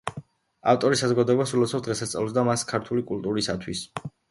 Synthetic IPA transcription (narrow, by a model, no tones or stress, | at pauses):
a̰ft̪ʼɔɾisazɔɡad̪ɔɛbasulɔt̪sʰɔd̪ʁɛsast̪sʼa̰lɔs̬d̪amaskʰaɾt̪ʰulikʼulˠt̪ʼuɾisat̪ʰwis